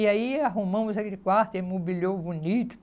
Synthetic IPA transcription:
ɪaiaɦumɐ̃mʊzɐkilɪkwaɾt̪emobilʲowbunit̪ʊ̥

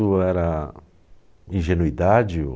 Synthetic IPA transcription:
ʊɛɾɐ | ĩʒenuid̪ad͡ʒɪ̰

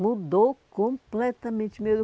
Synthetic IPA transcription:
mud̪owkõmplɛt̪ɐmẽnt͡ʃɪmed̪ʊ

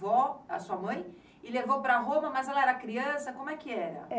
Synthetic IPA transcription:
vɔoɐsuɐmɐ̃j̃ | ɪlevowpɾɐɦõmɐmɐzɛlɐɛɾɐkɾiɐ̃sɐkõmʊɛkɪɛɾɐ̰

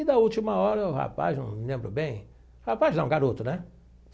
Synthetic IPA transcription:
d̪ɐut͡ʃimɐɔɾɐʊha̰pa̰znɐ̰̃w̃mlẽmbɾʊbẽj̃ | hapaznɛ̃ũɡaɾot̪ʊnɛ

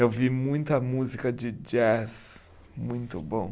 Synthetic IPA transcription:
ewvimũj̃t̪ɐmuzikɐd͡ʒɪd͡ʒɛs | mũj̃t̪ʊbõw̃

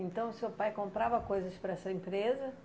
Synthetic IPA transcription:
ẽnt̪ɐ̃w̃ʊsewpajkõmpɾavɐkojzɐspɾɐɛsɐẽmpɾezɐ

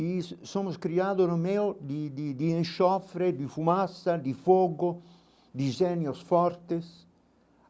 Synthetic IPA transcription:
issomʊskɾiaːd̪onomɛːod̪id̪id̪ienʃɔfɾed̪ifumasːad̪ifoɡo | d̪izɛnjosfɔɾt̪es

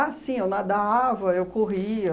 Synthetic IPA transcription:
asĩewnad̪avɐewkoɦiɐ

